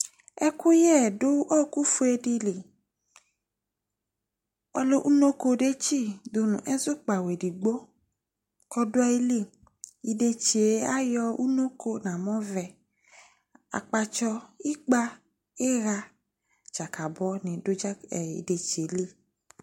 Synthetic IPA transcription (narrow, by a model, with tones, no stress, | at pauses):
ɛ˦ku˦jɛ˦˨dʊ˦ʔɔ˦ku˦fu˦e˧di˧li˨ | ɔ˧lo˦ʔu˦no˦ko˧de˦t͡ʃi˦˨du˧nṵ̃˨ʔɛ˦zʊ˦k͡pa˨we˨di˨ɡ͡bo˦ | kɔ˧dʊ˦ɔ˦i˦li˦˨ | i˧de˧t͡ʃe˨˦a˦jɔ˧u˦no˦ko˧nã˨mɔ̃˦vɛ˧ | a̰˨k͡pa˧t͡ʃɔ˧i˦k͡pa˦ | e˦ɾa˧ | t͡ʃa˨ka˨bɔ˨˦nĩ˨dʊ˦d͡ʒa˦ɛ˨ḭ˨de˨t͡ʃe˨˦li˦˨